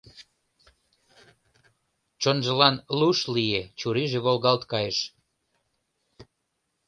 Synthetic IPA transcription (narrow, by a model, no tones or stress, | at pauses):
t͡ɕonʒə̆lɑnluʃlijet͡ɕuɾiʒeβolɣɑlt̪kɑjəʃ